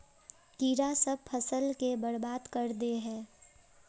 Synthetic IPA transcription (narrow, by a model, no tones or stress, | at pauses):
kiːɾasɐb̚pʰɐsəlkebɐɾbaːd̪kɐɾd̪eɦɛ̃ː